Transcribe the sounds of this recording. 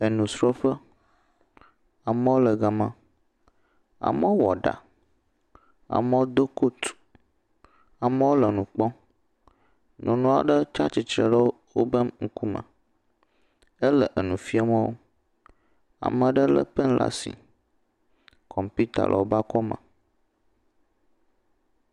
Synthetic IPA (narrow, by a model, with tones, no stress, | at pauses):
ə˨nũ˨sɾɔ˦ɸə˦ | a˨mə˦wo˦lə˨ɡa˨mã˦ | a̰˨mə˦wo˦wɔ˨ɖa̰˨ | a̰˨mə˦wo˦d̪o˦ko˦t̪ | a˨mə˦wo˦lə˨nũ˨k͡pɔ˦ | nɔ̃˨nũ˦a̰˨ɖə˦t͡ʃa˦t͡ʃi˨t͡ʃɾə˨lə˦wwo˦bə˦mŋ̩˦ku˦mə̰̃˨ | ə˦lə˨ʔə˨nũ˨fi˦a˦mə̃˦wo̰˦ | a̰˨mə̃˨ɖə˦lə̰˦pə˦n̩˦lʔa̰˦sḭ˨ | kʰɔ˨mpu˦t̪a̰˨lʔə̰˨wo˦ba˦kɔ˦mə̰̃˨